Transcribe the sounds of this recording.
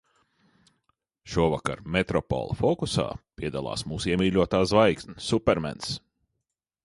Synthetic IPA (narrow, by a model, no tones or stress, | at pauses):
ʃuɔvaka̰ɾmet̪ɾɔpɔ̰lˠfɔkusa̰ːpʲiɛd̪alˠɑ̰ːsmuːsiɛmʲiːlʲuɔt̪aːzvajk̪nʲiːupɛɾmɛ̰ns